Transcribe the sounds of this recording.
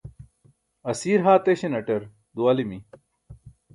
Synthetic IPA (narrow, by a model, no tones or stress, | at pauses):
ɐsiːɾɦaːt̪eɕenɐʈɐɾ | d̪uɐlimi